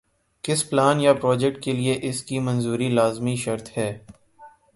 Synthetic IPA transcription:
kɪsplaːnjapɾɔːd͡ʒɛk̚ʈ̚kelieʔɪskimɐ̃nzuːɾilaːzmiʃɐɾt̪hɛː

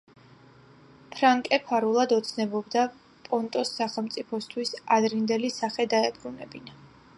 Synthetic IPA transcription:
pʰɾaŋkʼɛpʰaɾulˠad̪ɔt̪sʰnɛbɔbd̪a | pʼɔnt̪ʼɔsːaχɛlˠmt̪sʼipʰɔst̪ʰwisad̪ɾind̪ɛlisaχɛd̪aɛbɾunɛbina

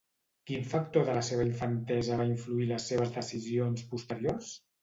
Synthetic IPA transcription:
kiɱfək̚t̪oðələseβ̞əiɱfənt̪ɛzəβaiɱfluiləsːeβ̞əzðəsizionspust̪əɾios

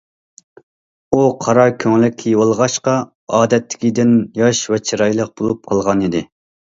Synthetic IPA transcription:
uqʰɑɾɑkʲʰøŋlɪkʲʰːijwolˠʁɑʃqɑ | ɑːd̪ɛt̪ʰːɪ̥kʲid̪ɪnjɑʃvɛt͡ʃʰiɾɑjlˠəq̚b̥olˠup̚qʰɑlˠʁɑnid̪ɪ

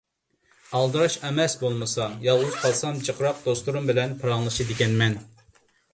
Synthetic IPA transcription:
ɑlˠd̪ɨɾɑʃɛmɛsbolˠmɨsɑjɑlˠʁʊz̥qʰɑlˠsɑmd͡ʒəqʰɾɑq̚d̪̥ost̪uɾumbɪlɛnpʰɨɾɑŋlˠɨʃɨd̪ɪɡʲɛnmɛn

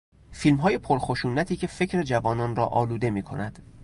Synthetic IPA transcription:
fiːlmɦɒːje̞pʰoɾxoʃuːnæt̪ʰiːcʰe̞fe̞cʰɾe̞d͡ʒævɒːnɒːnrɒ̰ːʔɒːluːd̪e̞miːkʰo̞̰næd̪̥

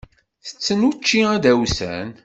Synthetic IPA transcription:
θə̥t͡sːənut͡ʃːiæd̪æwsæ̰n

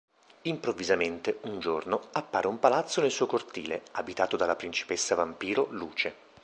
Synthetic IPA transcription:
impɾovːizament̪eund͡ʒornoapːaːɾeumpalat̪sːonelsuːjkort̪ḭːleabit̪aːt̪od̪alapɾint͡ʃi̥pesːavampiːɾoluːt͡ʃe

